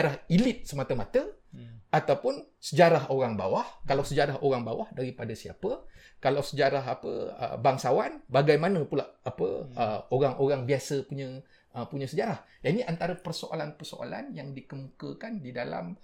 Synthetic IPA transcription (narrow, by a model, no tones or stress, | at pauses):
aɾahilɪt̪̚səmat̪əmat̪əat̪awpʊnsəd͡ʒaɾahoɾaŋba̰wahkalawsəd͡ʒaɾaɦoɾaŋbawahdaɾipadasia̰pə | kalawsəd͡ʒaɾaɦapə̰ə̰baŋsawanbaɡajmanə̃pulaʔapə̰əoɾaŋʔoɾaŋbiasəpuɲə̃ | əpuɲə̃səd͡ʒaɾah | janiʔant̪aɾəpərsoʔa̰lanpərso̰a̰la̰njaŋdikəmukəkandidala̰m